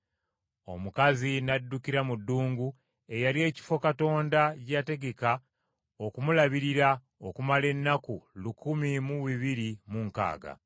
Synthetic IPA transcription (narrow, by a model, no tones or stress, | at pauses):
o̞̰mukazinadːukiɾamudːuːŋɡu | e̞jalie̞ːci̥fo̞kato̞ːndaɟate̞ɡe̞ka | o̞kumulaβiɾiɾa | o̞kumale̞nːakulukumimuwiβiɾimuŋka̰ːɡa̰